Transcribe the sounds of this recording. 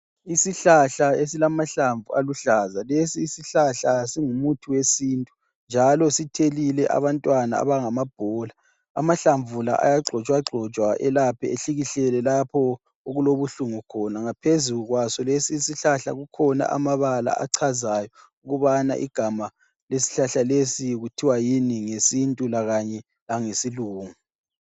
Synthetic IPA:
isiɬaɬaesilamaɬaɱvualuɬazalesiːsiɬaɬasiŋumutʰuwesiːntʼu | nd͡ʒʱalɔsitʰelilɛʔa̰βantʼwana̰a̰βaŋamab̥ʱɔla | a̰maɬaɱvula̰ʔa̰jaɡ͡ǀʱɔt͡ʃʼwaɡ͡ǀʱɔt͡ʃʼwaʔɛlapʰɛ̰eɬiɣiɬɛlɛlapʰɔ | oɣuloβuɬuŋukʰɔnaŋapʰezuɣwasɔlesiːsiɬaɬa̰ɣukʰɔna̰ʔa̰maβala̰ʔa̰ǀʰazajɔ | uɣuβana̰ʔḭɡ̥ʱama | lesi̥ɬaɬalesiɣutʰiwajiniŋesintʼulaɣaɲɛ | laŋesiluːŋu

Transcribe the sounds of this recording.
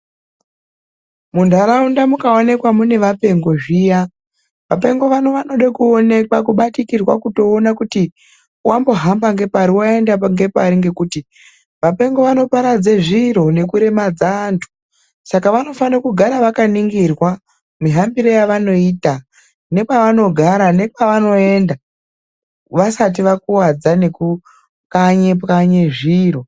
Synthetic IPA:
mundʱaɾaundamukaone̞kwamune̞ʋape̞ŋɡo̞ʐiːja | ʋape̞ŋɡo̞ʋano̞ʋano̞ɗakuone̞kwakuɓatikirwa̰kuto̞ːnakuti | uwambo̞ɦambaŋɡe̞paɾiwae̞ndaŋɡe̞paɾiŋɡe̞kuːti | ʋape̞ŋɡo̞ʋano̞paɾad͡ze̞ʐiɾo̞ne̞kuɾe̞mad͡zaːntʰu̥ | sakaʋano̞fanakuɡʱaɾaʋakaniŋɡirwa | miɦambiɾo̞jaʋano̞iːta | ne̞paʋano̞ɡʱaɾane̞paʋano̞e̞nda | ʋasat̬iʋakuwad͡zane̞ku | kaɲepkaɲeʐiro̞

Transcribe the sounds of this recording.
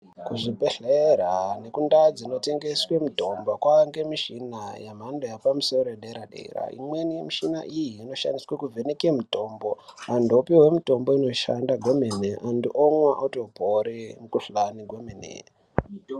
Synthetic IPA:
kuʐipeɬeɾane̞kundad͡zino̞te̞ŋɡeswemito̞mbokwaŋɡe̞miʃinajamandojapamuso̞ɾojɗeɾaɗḛɾa̰ḭmwenimiʃina̰ʔijiːno̞ʃa̰ndiswekuvʱe̞nekemito̞ːmbo̞andʱopiwe̞muto̞mboino̞ʃandaɡʱomeneʔandiʔoŋwaʔotopoɾimukuɬaniɡʱwemenḛ

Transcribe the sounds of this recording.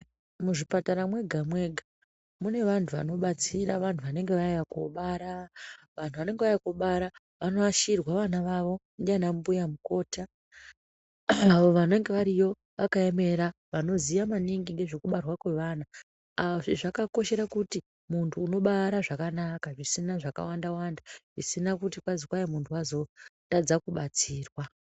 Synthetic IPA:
muʐipataɾamwe̞ɡʱamwe̞ɡʱa | mune̞ʋantʰuʋa̰no̞ɓat͡siraʋantʰuʋane̞ŋɡeʋaijako̰ɓaːɾa | ʋan̤tuʋane̞ŋɡeʋajakoɓaɾa | ʋano̞ʋaʃirwaʋanaʋaʋo̞ | danambujamuko̞ːta | aʋo̞ʋane̞ŋɡe̞ʋaɾijo̞ | ʋakaeme̞ɾa | ʋano̞zijamaniŋɡiŋɡe̞ʐekuɓarwakwe̞ʋana | aoʐiʐakako̞ʃe̞ɾakuti | muntʰuːno̞ɓaɾaʐakanakaʐisinaʐaka̰wandawandaʐisinakutikwazikwajemuntʰuwazo̞tad͡zakuɓat͡siːrwa

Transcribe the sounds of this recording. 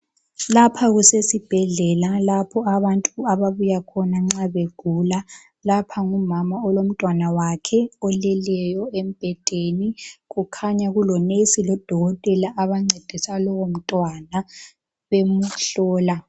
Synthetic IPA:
lapʰaɣusesib̥ʱɛɮɛlalapʰɔaβantʼuaβaβujakʰɔnaŋ͡ǀaβeɡ̥ʱula | lapʰaŋumamaɔlom̩tʼwanawakʰɛɔlɛlɛjɔem̩b̥ʱɛd̥ʱeniɣukʰaɲaɣulɔnesilɔd̥ʱɔɣɔtʼɛlaʔaβaŋ͡ǀed̥ʱisalɔwom̩tʼwana | βemuɬɔːla

